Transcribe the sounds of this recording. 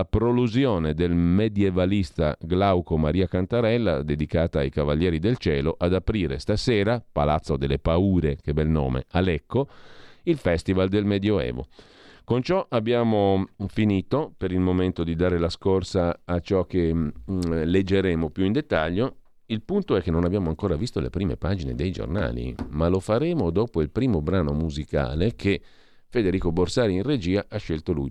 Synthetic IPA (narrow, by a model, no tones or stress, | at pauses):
apɾoluzjoːned̪elmed̪jevalist̪a̰ɡlawkomaɾiːakant̪aɾɛlːa̰d̪ed̪ikaːt̪aːjkavaʎːjɛːɾid̪elt͡ʃɛ̰ːloʔad̪apɾiːɾḛst̪asɛːɾapa̰lat̪sːod̪elːepauːɾek̟ebɛlno̰ːmḛalɛkːoilfɛst̪ivald̪elmed̪joɛ̰ːvo̰ | kont͡ʃɔʔabːjaːmofiniːt̪opeɾilmoment̪od̪id̪aːɾelaskorsaːt͡ʃɔkːe | led͡ʒːeɾeːmopjuind̪et̪ːaʎːo | ilpunt̪oɛkːenːonabjaːmoaŋkoːɾavist̪olḛpɾiːmḛpaːd͡ʒinḛd̪ejd͡ʒo̰rna̰ːlḭmalofaɾeːmod̪oːpoilpɾiːmobɾaːnomuzika̰ːlekʰe | fed̪eɾiːkoborsaːɾiinred͡ʒiːaʔaʃːelt̪olṵj